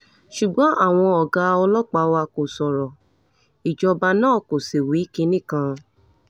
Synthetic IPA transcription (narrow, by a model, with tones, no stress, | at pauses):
ʃu˨ɡ͡bɔ̃˨˦a˦˨w̃ɔ̃˧ɔ˨ɡa˧˦ɔ˧lɔ˦k͡pa˨˦wa˧ko˨sɔ˨ɾɔ˨ | i˨d͡ʒɔ˧ba˧nãː˦˨ko˨si˨wi˨˦ki˧˦nĩ˦˨kã˧